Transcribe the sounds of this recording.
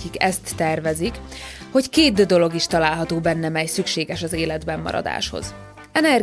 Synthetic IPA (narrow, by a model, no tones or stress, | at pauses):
kikɛst̪ːɛrvɛzikho̞ckeːd̪ːd̪o̞lo̞ɡiʃt̪ɒlaːlɦɒt̪oːbɛnːɛmɛjsykʃeːɡɛʃɒzeːlɛd̪bɛmːɒ̰ɾɒ̰d̪a̰ːʃho̞̰z | ɛnɛr